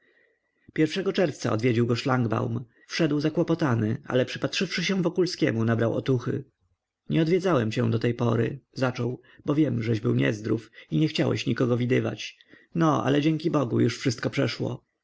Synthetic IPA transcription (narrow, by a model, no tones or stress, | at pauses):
pʲjɛɾfʂɛɡɔt͡ʂɛɾft̪sa̰ɔ̰d̪vʲed͡ʑiwɡɔʂlaŋɡba̰wm | fʂɛd̪wzakwɔpɔt̪anɘʔa̰lɛpʂɘ̥pat̪ʂɘfʂɘɕɛ̃w̃vɔkulskʲɛmunabɾawʔɔ̰t̪uxɘ̰ | ɲɛɔd̪vʲjɛd̪zawɛmt͡ɕɛ̰̃d̪ɔt̪ɛjpɔɾɘ̰zat͡ʂɔw | bɔvʲjɛmʐɛʑbɘwɲɛ̰zd̪ɾufiɲɛxt͡ɕawɛ̰ɕɲikɔɡɔvʲid̪ɘva̰t͡ɕ | nɔʔa̰lɛd͡ʑeŋʲkʲibɔɡṵjuʂfʂɘst̪̚kɔpʂɛʂwɔ̰